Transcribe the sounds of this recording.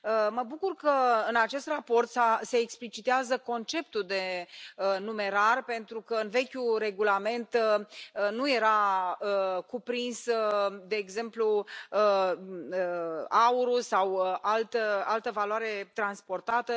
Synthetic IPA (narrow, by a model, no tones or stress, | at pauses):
əməbukurkəɨnat͡ʃe̞st̪rapo̞rt̪sase̞ːksplit͡ʃit̪eazəko̞nt͡ʃe̞pt̪uld̪e̞ənume̞ɾarpe̞nt̪ɾukəɨnve̞kʲure̞ɡulame̞nt̪ | nuje̞ɾaəkupɾinsd̪e̞ːɡze̞mplu | əauɾusawalt̪əalt̪əvaloaɾe̞t̪ɾanspo̞rt̪at̪ə